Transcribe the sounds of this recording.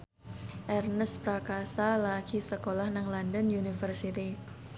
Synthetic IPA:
ʔɛrnəspɾakasalaɡ̥isəkolahnaŋlandənunifərsit̪i

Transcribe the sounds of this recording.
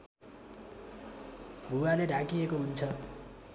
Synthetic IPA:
bʱuwaleɖakiekoɦunt͡sʰʌ

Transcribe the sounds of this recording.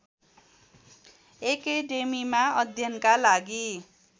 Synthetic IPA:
ekeɖemimaʌd̪ʱjʌnkalaɡi

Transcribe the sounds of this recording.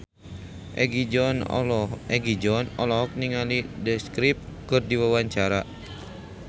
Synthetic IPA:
ʔɛɡiɔn | ɛɡid͡ʒɔnɔlɔɦɔk̚niŋalidəskɾip̚kɨrdiwawaɲt͡ʃaɾa

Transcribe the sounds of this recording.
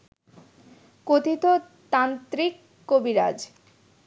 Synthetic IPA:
kot̪it̪o | t̪ant̪ɾikː | obiɾad͡ʑ

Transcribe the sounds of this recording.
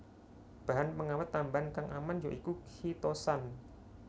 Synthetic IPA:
b̥a̤ɦanpəŋawat̪ːambankaŋʔamand͡ʒoʔikukʰit̪osan

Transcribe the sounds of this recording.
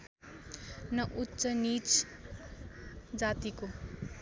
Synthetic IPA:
nʌʔutːsʌnit͡s | d͡zat̪iko

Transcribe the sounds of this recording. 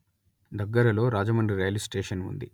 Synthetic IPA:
d̪ɐɡːɐɾɐlo̞ːɾaːd͡ʒɐmɐɳɖɾiɾɐjɐlisʈeːʂɐnṵnd̪i

